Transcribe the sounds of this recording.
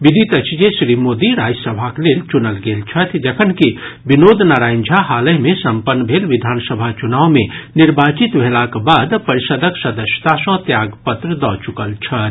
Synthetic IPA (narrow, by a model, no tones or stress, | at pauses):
ʋid̪ʱit̪ət͡ʃd͡ʒesɾimoːd̪iɾaːd͡ʒsəbʱakleːlt͡ʃunəlɡeːlt͡ʃʰət̪ʰd͡ʒɐkʰənkibɪnoːd̪ʱnaːɾaːnd͡ʒʱaɦaːləjmẽsɐ̃mpənːəbʱeːlʋɪd̪ʱaːnsəbʱat͡ʃunaːwmẽnɪɾbaːt͡ʃɪt̪ʋʱelakbaːd̪pəɾɪʃəd̪ʱəksɐd̪əʃə̥t̪asə̃t̪jaːɡpət̪ɾəd̪ɔːt͡ʃʊkəlt͡ʃʰət̪